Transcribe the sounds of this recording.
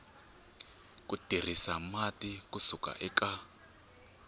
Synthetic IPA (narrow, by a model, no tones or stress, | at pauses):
kʼud̥ʱir̤isamatʼikusuka̰ʔɛka